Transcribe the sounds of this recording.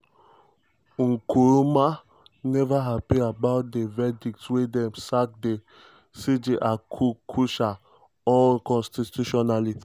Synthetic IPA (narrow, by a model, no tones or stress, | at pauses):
ŋ̩kuɾuma | nɛvaɦapiabaʊt̚devɛdik̚twidɛ̃msak̚de | sid͡ʒeʔakʰukʰuʃa | ɔlkɔ̃nstituʃɔnali